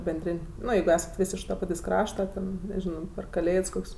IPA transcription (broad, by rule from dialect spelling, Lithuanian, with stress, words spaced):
bʲɛnʲˈdʲrʲɪnʲ ˈnoː jɛɪɡʊ ˈæːsɐt ˈʋʲɪs ɪʃ tɐ ˈpɑːtʲeːsʲ ˈkrɑːʃtɐ ˈtʲɛn nʲɛˈʒʲɪnoː pʲɛr kɐˈlʲeːts ˈkoːkʲsʲ